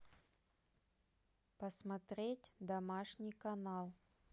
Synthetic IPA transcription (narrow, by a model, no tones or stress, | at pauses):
pəsmɐt̪ɾʲetʲd̪ɐmaʂnʲijkɐnalˠ